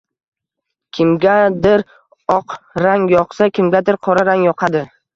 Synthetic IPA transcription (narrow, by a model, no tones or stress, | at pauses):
kʲʰɪmɡʲad̪ɪɾ | ɒqɾaŋjɒqsakʲʰɪmɡʲad̪ɪɾqʰɒɾaɾaŋjɒqʰad̪ɪ